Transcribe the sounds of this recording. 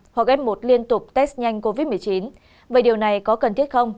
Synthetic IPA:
hwa˨˩k̚ʔɛ˨˧˥mːo˨˩t̚li˧ənt̪ʊ˨˩k͡p̚t̪ɛ˦˥st̚ɲa˧jŋ̟ko˧vi˦˥t̚mɨ˨˩əjt͡ɕi˨˦n | veː˨˩ɗi˨˩əwna˨˩jkɔ˨˦kə˨˩nt̪ʰi˦˥ət̚xə˧wŋ͡m

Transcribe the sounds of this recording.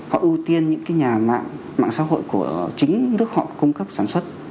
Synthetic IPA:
hɔ̰˧˨ʔɨ˧wt̪i˧ənɲɨ̰˧˥ŋkaː˨˦jɲaː˨˩ma̰ː˧˨ŋ | ma̰ː˧˨ŋsa̰ː˧˥ɦo̰˧˨jku˧˩ət͡ɕï˨˦ŋ̟nɨ˦˥ək̚hɔ̰˧˨kʊ˧ŋ͡mkə˦˥p̚saː˧˩nswə˦˥t̚

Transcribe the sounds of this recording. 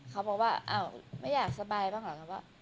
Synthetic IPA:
kʰa˦wbɔː˨˩k̚waː˥˩ʔa̰˧˩wma˥˩jaː˨˩k̚sa˧baː˧jbaː˥˩ŋlaː˨˦ka˧˩waː˥˩

